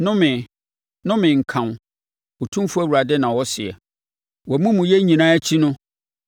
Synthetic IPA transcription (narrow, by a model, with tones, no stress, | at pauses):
nʊ̃˦mɪ̃˨ | nʊ̃˦mɪ̃˨ŋ̩˨kʰã˨n˨ | o˨tʰũ˦m˦fu˦æ˦wu˨ɾa˨dɛ˦nã˨wɔ˦sɪ˨ɛ̰˨ | wɔ˨mũ˦mʊ̃˨jɛ˦ɲĩ˨nã˦æ˦t͡ɕʰi˦nʊ̃˦